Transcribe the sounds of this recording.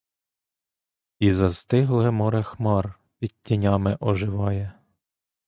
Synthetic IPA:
izɐst̪ɪɦlˠɛmɔɾɛxmɑr | pʲid̚ʲtʲːinʲɑmɪʔɔʒɪʋɑjɛ

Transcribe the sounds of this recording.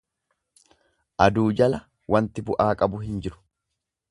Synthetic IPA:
ʔɐd̪uːd͡ʒɐlɐ | wʔɐnt̪ɪbʊʔaːkʼɐbʊɦɪnd͡ʒɪɾʊ̥

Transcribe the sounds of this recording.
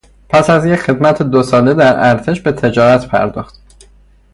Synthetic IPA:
pʰæsæzjecxe̞d̪mæt̪ʰed̪osɒːle̞d̪æɾæɾt̪ʰe̞ʃbe̞t̪ʰe̞d͡ʒɒːɾæt̪ʰpʰæ̰ɾd̪ɒːxt̪

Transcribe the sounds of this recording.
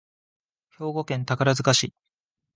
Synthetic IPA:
ço̞ːɡo̞kẽ̞nt̪akaɾazɨkaɕiː

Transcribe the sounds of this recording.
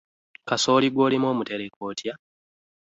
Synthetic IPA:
kaso̞ːliɡwo̞ːlimo̞ːmute̞ɾekoːtja

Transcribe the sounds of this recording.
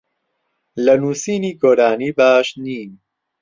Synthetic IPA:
lɐnuːsiːniːɡoːɾaːniːbaːʃniːn

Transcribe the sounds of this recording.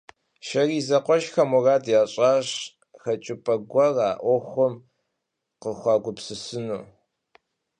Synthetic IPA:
ʃɐriːzɐqʷɔʃxɐmɔraːdjaːɕʼaːɕ | xɐt͡ʃʼɪpʼɐɡʷɐraːʔʷɔxʷɔm | qəxʷɑːɡʷʊpsɨsɨnuː

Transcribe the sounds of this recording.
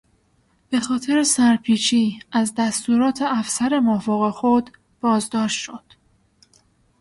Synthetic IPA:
b̥e̞xɒːt̪ʰe̞ɾesæɾpʰiːt͡ʃʰiːæzd̪æst̪uːɾɒːt̪ʰe̞æfsæɾe̞mofoːɣexod̪ | b̥ɒːzd̪ɒːʃt̪ʃod̪̥

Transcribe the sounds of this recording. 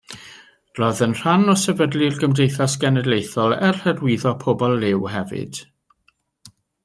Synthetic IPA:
rɔðənr̥anɔsɛvədlɪrɡəmrejθasɡ̥ɛnɛdlejθɔlˠɛrhɛdwɪðɔpʰobɔlˠːɪwɦɛvɨ̰d̥

